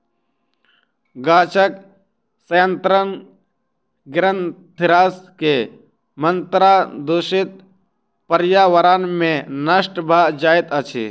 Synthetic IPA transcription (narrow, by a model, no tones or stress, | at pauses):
ɡaːt͡ʃək | səjənt̪ɾən | ɡɾənt̪ʰɪɾaːske | mənt̪ɾad̪oːʃit̪̚ | pəɾjaːʋəɾaːnmẽnəʃʈbʱad͡ʒaːɪt̪ət͡ʃʰḭ